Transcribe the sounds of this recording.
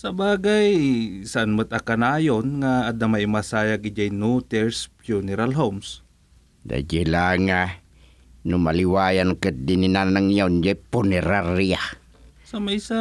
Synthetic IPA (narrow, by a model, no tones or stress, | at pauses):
sɐbaːɡajsaʔanmət̪akanaːjonŋaːd̪amaɪmasajaɡɪd͡ʒajnut̪ɛɾspjunɛɾalɦoms | d̪a̰d͡ʒilaŋa | nʊmalɪwajankət̪̚d̪ɪnɪnanaŋjand͡ʒapʊnɛɾaɾia | samaisa